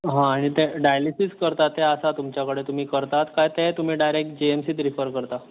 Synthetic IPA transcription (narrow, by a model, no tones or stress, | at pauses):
ɦãːɽ̃it̪eɖajlisiskəɾt̪at̪ːeəsat̪umt͡ɕjakəɽet̪um̤iːkəɾt̪at̪kajt̪et̪um̤iːɖajɾek̚ʈ̚d͡ʑeemsiːt̪ɾifəɾkəɾt̪a